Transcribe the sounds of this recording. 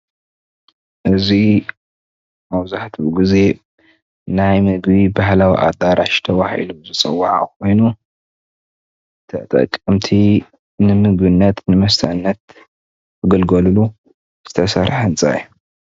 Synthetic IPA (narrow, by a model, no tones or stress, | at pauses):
ʔɨzi | mɐwzaħt̪ʰiɡize̞ | najmɨɡbibahlawḭʔa̰d̪aɾaʃt̪ʰɐwaħḭluzɨt͡sʼɐwːaʕa̰kʰo̞jnu | t̪ʰɐ̰t̪ʼɐ̰kʼːɨmt̪ʰi | nɨmɨɡbinːɐt̪nɨmɐst̪ʰɐʔnːɐt̪̚ʰ | ɨɡɐlɡɐlulu | z̥ɨ̥t̪ʰɐsɐɾħɨnt͡sʼa̰ju